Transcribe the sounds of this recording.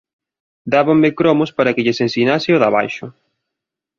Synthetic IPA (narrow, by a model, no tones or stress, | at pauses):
d̪aβaŋmekɾɔmʊspaɾɐkɪʎɪsensinasɪoðaβa̰jʃʊ